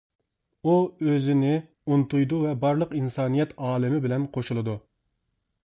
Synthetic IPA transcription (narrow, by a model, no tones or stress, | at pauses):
uøzɪnɪ | unt̪ujd̪uvɛbɑɾlˠəqinsɑːnijɛt̪ʰɑːlˠɪmɪbɪlɛnqʰoʃulˠɨd̪u